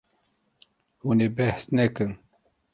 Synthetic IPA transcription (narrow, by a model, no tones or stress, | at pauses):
hunebɛhsnɛkɨn